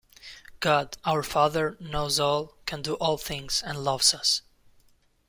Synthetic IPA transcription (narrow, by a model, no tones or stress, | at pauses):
ɡ̥ɑdaʊə˞fɑðə˞noʊzɔlˠkʰɨ̃ndɨʔɔlˠθɪ̃ŋz̥ɨ̃nlʌvz̥ʌs